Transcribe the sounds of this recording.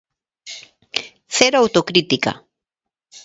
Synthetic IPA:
seɾawt̪okɾɪt̪ɪka̰

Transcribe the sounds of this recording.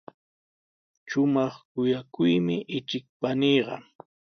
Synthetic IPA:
ʃʊmɑχkʊjakʊjmɪʔɪt͡ʃɪk̚panijɢɑ̰

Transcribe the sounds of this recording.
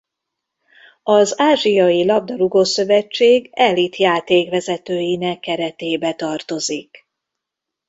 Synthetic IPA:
ɒzaːʒijɒjilɒb̚d̪ɒɾuɡosø̞vɛt͡ʃːeːɡɛlit̪jaːt̪eːkvɛzɛt̪øːjinɛkːɛɾɛt̪eːbɛt̪ɒrt̪o̞zik

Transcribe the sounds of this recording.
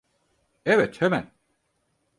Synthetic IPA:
evɛt̪hemæ̰n

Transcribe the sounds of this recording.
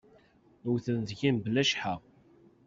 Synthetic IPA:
wθənðʝimblæʃħa

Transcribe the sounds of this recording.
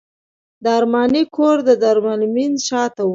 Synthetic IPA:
d̪ɑːɾmɑnikʰoɾd̪əd̪aɾmalminʃɑt̪a

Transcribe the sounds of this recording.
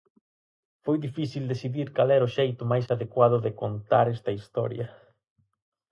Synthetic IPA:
fojðifiθild̪esiðiɾkalɛɾʊʃejt̪ʊmajsaðekwaðʊðɪkont̪aɾɛst̪ɐist̪ɔ̰ɾjɐ

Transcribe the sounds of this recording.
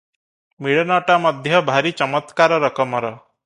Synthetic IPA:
miɭɔnɔʈamɔd̪ʱjɔbʱaɾit͡ʃɔmɔt̪kaɾɔɾɔkɔmɔɾɔ

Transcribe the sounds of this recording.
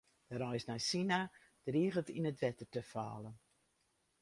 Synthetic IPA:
d̥əɾɔjsnɛjsina | d̥riːɣətinətʋɛtərtəfa̰ːlən

